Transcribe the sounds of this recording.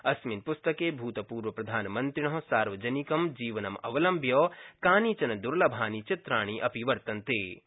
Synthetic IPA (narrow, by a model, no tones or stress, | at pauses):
ɐsminpʊst̪ɐkeːbʱuːt̪ɐpuːɾʋɐpɾɐd̪ʱaːnmɐ̃nt̪ɾɪɳ̃ɐɦsaːɾʋɐd͡ʒɐnikɐmd͡ʒiːʋɐnɐmɐ̰ʋɐlɐmbʱjɐːkaːnit͡ʃɐnɐd̪ʊɾlɐbʱaːnit͡ʃɪt̪ɾaːɽ̃iʔɐpiʋɐɾt̪ɐnt̪eː